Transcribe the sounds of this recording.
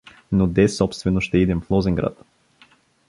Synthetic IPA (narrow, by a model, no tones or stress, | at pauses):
nod̪ɛsɔpst̪vɛnoʃt̪ɛid̪ɛmflˠɔzɛŋɡɾa̰t̪